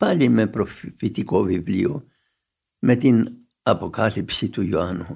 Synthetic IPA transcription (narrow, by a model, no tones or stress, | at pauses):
palʲimeproffit̪ikoʋiblḭo | met̪in | apokalipsit̪ujoanu